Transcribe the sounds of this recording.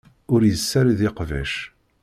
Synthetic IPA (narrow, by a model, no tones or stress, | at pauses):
ʊɾjəsːæɾðɪqvæ̰ʃ